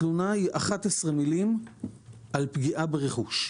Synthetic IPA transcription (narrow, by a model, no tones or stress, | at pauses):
lunahiʔaχat̪esʁemilim | ʔalpɡiʔabeʁeχuʃ